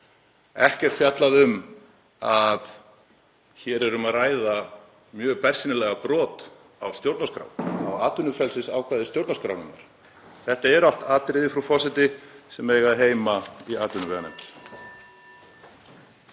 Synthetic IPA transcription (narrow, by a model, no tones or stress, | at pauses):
ɛhcɛɾt̪fjat̪laðʏm | að | çɛɾɛɾʏmaðraːjða | mjœːɣpʰɛr̥sinɪlɛɣapɾɔːt̪ | awst̪jowɾt̪naskɾa̰wna̰waːt̪ʏnʏfɛlsɪsa̰ːwkvaːðɪst̪jowɾt̪naskɾa̰wnɪ̰nːa̰ɾ̥ | θɛht̪aɛɾal̥t̪aːt̪ɾɪðɪfɾafɔsɪt̪ɪsɛmɛːjɣaðɦeːjmaiaːt̪ʏnʏɛɣanɛ̰mp